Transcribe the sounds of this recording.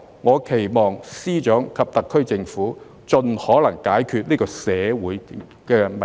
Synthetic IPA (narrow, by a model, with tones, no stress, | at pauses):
ŋɔː˨˧kʰe˨˩jmɔː˨ŋsiː˥t͡ʃœː˨˥ŋkʰɐ˨p̚t̪ɐ˨kʰːɵ˥ɥt͡sɪ˨˧ŋfuː˨˥ | t͡ʃɵ˨nhɔː˨˥lɐ˨˩ŋkaː˨˥jkʰyː˧t̚niː˥kɔː˧sɛː˨˧wuː˨˥j | kɛː˧mɐ˨